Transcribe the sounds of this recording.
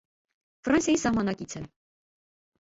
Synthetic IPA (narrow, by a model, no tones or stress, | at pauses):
frɑnsjɑjisɑhmɑnɑkit͡sʰə